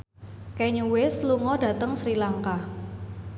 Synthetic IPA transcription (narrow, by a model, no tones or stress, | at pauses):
kɛɲuwɪsluŋɔdä̤t̪əŋsɾilaŋka